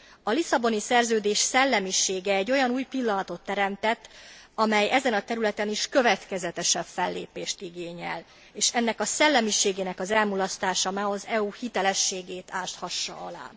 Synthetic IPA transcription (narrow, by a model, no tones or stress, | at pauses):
ɒlisɒbo̞nisɛrzøːd̪eːʃsɛlːɛmiʃeːɡɛːɟːo̞jɒnuːjpilːɒnɒt̪o̞t̪ːɛɾɛmt̪ɛt̪ːɒmɛjɛzɛnɒt̪ɛɾylɛt̪ɛniʃkø̞vɛt̪kɛzɛt̪ɛʃɛfbfɛlːḛːpeːʃt̪iɡeːɲɛ̰l | eːʃɛnːɛkɒsɛlːɛmiʃeːɡeːnɛkɒzɛlmulɒst̪aːʃɒmaːɦozɛuhit̪ɛlɛʃːeːɡeːt̪aːʃt̪hɒʃːɒ̰ɒla̰ːn